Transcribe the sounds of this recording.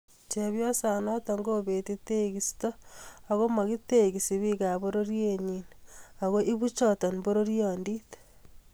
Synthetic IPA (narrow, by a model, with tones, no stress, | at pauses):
t͡ʃeβjo˦sa˨no˦to˨ŋɡo˦βe˨ti˦te˦ɣisi̥to˦a˨ɣo˦ma˨ɣi˦te˦ɣi˨si˨βi˦ɣa˨βoɾo˦ɾje˦ɲina˨ɣo˦ʔi˦βu˦t͡ʃo˨to˨nbo˦ɾo˦ɾjo˨ndite̥